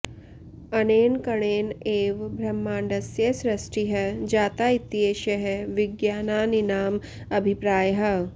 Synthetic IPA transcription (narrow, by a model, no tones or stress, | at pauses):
ɐneːnkɐɳeːneːʋbʱɾɐmːaːɳɖɐsjɐsɾɐsʈiɦɐd͡ʒaːt̪ait̪ieːʃɐɦeʋiɡjaːnaːninaːm | ɐbʱipɾaːjɦɐ